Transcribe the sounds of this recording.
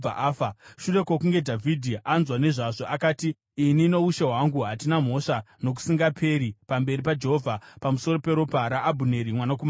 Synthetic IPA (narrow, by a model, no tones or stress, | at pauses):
a̰ʔaːfaʃure̞kwokuŋɡe̞dʱavʱidʱiʔanzwane̞ʐaʐo̞ʔakaːtiː | nino̞uʃe̞ɦwaŋɡuɦatinam̤o̞ʂa | no̞k̬u̥siŋɡapʰe̞ɾipambe̞ɾipad͡ʒe̞ɦovʱapamuso̞ɾo̞pe̞ɾo̞paɾaʔːbʱune̞ɾimwanakuma